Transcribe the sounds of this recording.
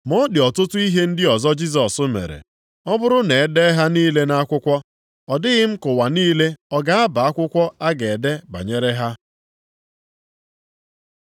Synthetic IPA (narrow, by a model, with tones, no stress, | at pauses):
mɔ˦dɪ˨ɔ˨tʊ˦tʊ˦i˦ɦe˦n̩˦dɪ˦ɔ˨zɔ˦d͡ʒi˦s̬ɔ˨sʊ˦mḛ˨ɾḛ˨ | ɔ˦bʊ˦ɾʊ˦ne˨˦de˦ɦa˦niː˦le˦na˦kʷʊ˦kʷɔ˦ | ɔ˨dɪ˦ɣɪ˦m̩˦kʊ˨wa˨niː˦le˦ɔ˦ɡa˦a˦ba˨a˦kʷʊ˦kʷɔ˦a˦ɡe˨de˦ba̰˨ɲe˦ɾe˦ɦa˦